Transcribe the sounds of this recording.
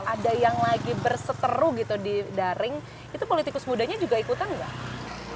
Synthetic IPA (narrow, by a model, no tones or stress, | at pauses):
ʔadajaŋlaɡibərsət̪əɾuɡit̪udidaɾɪŋ | it̪upolit̪ikʊsmudaɲad͡ʒuɡaikut̪anɡah